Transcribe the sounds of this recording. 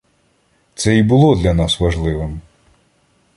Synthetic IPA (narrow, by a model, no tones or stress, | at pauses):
t̪sɛibʊlˠɔd̪lʲɐnɑsʋɐʒlˠɪʋɪm